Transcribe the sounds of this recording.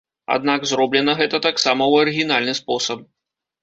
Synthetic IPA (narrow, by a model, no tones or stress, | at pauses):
a̰d̪̚naɡzɾɔblʲɛnɐɣɛt̪ɐt̪aksamɐwɐɾɨɣʲinalʲnɨspɔsɐp̚